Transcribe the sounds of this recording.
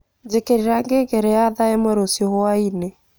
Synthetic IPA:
d͡ʒekeɾiɾaŋɡeɡeɾeaðaemoɾosiohoaine

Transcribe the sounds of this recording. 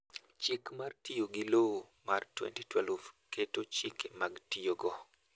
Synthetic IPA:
t͡ʃikmartijoɡiloo | martwɛ̰ntitwɛlvketot͡ʃikemaɡtijoɡɔ

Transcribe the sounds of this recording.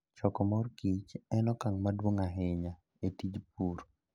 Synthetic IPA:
t͡ʃɔkɔmɔrkit͡ʃɛnɔkaŋmadwoŋaɦɪɲa | etid͡ʒp̚uɾ

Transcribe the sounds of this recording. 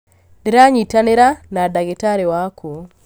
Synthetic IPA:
niɾaɲitaneɾanadaɡetaɾewakʰo

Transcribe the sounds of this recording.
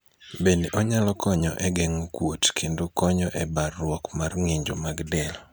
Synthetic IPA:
beneʔɔɲalɔkʰɔɲɔʔɛɡɛŋokwotkʰendokɔɲɔʔɛbarːwɔkmarŋeɲd͡ʒomaɡdɛlɔ

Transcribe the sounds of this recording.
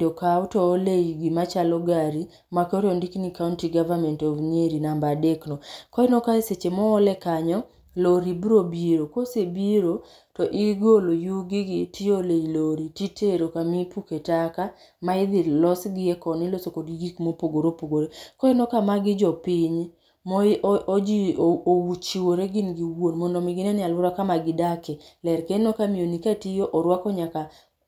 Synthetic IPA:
dokautɔːleiɡimat͡ʃalɔɡaɾi | makoɾjondiknikauntiɡavamɛntɔvneɾinambadeknɔkɔɪnokaeset͡ʃemɔːlɛkaɲɔ | loɾibɾobiɾokosebiɾo | tɔʔiɡolojuɡɪɡɪtʰɪoleiloɾititʰeɾokamipuketaka | maɪd̪ɪlɔsɡɪɛkɔnɪlosokodɡiɡikmopoɡoɾopoɡoɾekoinokamaɡɪd͡ʒɔpɪɲ | mood͡ʒioowut͡ʃiwoɾeɡɪnɡiwonmɔndɔmɪɡɪnɛnɪalwʊɾakamaɡɪdakɛlɛɾkenokamionikatijoʔɔɾwakɔɲaka

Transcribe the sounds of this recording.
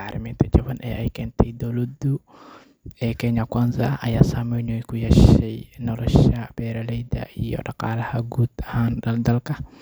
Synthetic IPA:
ʕɑːɾʔɪ̰miːnt̪ʰɐt͡ʃɐβɐnʔɛ̰ːʔɛjkʰɛːnt̪ʰɛjd̪ɔwlɐd̪ʊ | ɛːkʰɛɲɐkaːnzɐɐjaːsaːmɛjnɔjkʰʊjɛʃɛjnɔlɔʃɐb̥ɛːɾɐlɛjd̪ɐ̰ʔijɔ̰ɖɑqɑːlɐhɐɡuːd̪ɐhaːnɖɐld̪ɐlkʰɐ

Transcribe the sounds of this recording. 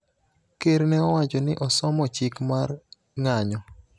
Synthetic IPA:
keɾnɛɔwat͡ʃɔnɪʔɔsɔmɔt͡ʃɪkmar | ŋaɲɔ

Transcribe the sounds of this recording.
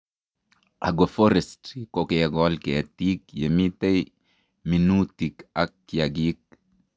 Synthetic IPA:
ʔa̰ɡɔfɔɾɛstkokejaɡɔlkeatiːkjemitej | minutikakːjaɡik̚

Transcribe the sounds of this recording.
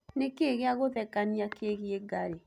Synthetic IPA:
nekeɣeaɣoðɛkaniakeɣieɡaɾe

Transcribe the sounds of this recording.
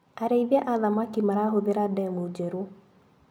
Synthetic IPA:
aɾeiβjaʔaðamakimaɾaɦoðeɾadɛmod͡ʒɛɾu

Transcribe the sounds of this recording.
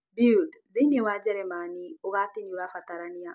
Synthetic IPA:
bidðinewad͡ʒɛɾɛmanioɣat̪iɲuɾafat̪aɾania

